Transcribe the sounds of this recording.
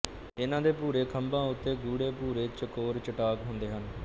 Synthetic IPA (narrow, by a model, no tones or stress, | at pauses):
ɪnãːd̪eːpuːɾeːkʰəmbãːʊt̪ːeːɡuːɽeːpuːɾeːt͡ʃəkoːɾt͡ʃəʈaːkɦõnd̪eːɦən